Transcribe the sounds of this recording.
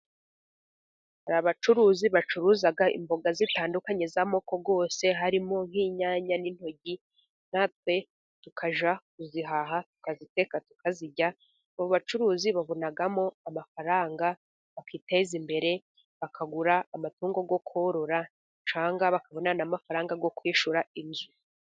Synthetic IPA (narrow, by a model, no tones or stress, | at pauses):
haɾaβat͡ʃuɾuːziβat͡ʃuɾuːzaɡaʔḭmbo̞ɡazitaːndukaɲe̞zamoko̞ɡo̞ːse̞ɦaɾimo̞ŋ̥hiːɲaːɲanin̥ho̞ɟi | n̥at̚we̞ | tukʰaʒakuziɦaɦatu̥kazite̞katu̥kaziɟa | uβoβat͡ʃuɾuːziβaβonaɡamo̞amafaɾaːŋɡa | βakʰiːteizimbe̞ɾe̞ | βakʰaɡuɾaːmatuːŋɡo̞ɡo̞kʰoɾoɾa | t͡ʃaːŋɡaβakaβonanamafaɾaːŋɡaɡo̞kwiːʃuɾainzu